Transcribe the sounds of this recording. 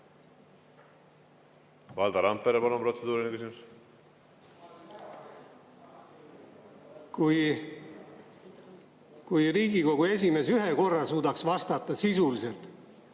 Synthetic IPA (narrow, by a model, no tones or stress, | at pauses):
vɑːld̪ɑɾɑmpːeɾepɑnumpro̞t̪sed̪̥uːɾinekysimus | kuj | kujriːɡiko̞ɡ̥ue̞s̬ʲime̞s̬yɦeko̞rːɑsuːd̪ɑksvɑst̪ɑt̪ːˑɑsisulise̞lt̪